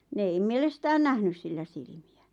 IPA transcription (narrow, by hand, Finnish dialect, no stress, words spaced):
ne ei mielestæːn næhnys silːæ silĭmiæ